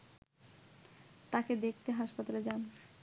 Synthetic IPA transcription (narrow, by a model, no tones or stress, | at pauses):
t̪aked̪ek̚ʰt̪eɦaʃpat̪aled͡ʑan